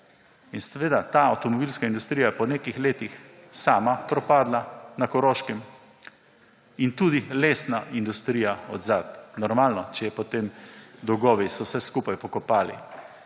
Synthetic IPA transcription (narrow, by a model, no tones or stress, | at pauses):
insɛʋeːd̪at̪aɐwt̪ɔmɔbilskaind̪ust̪ɾijajɛpɔnekixleːt̪ixsaːmapɾɔpaːd̪lanakɔɾoːʃkɛm | int̪uːd̪ileːsnaʔind̪ust̪ɾiːjaɔ̰d̪zaːt̪nɔɾmaːlnɔt͡ʃɛjɛpɔt̪emd̪ɔwɡɔːʋisɔwsɛskupajpɔkɔpaːlḭ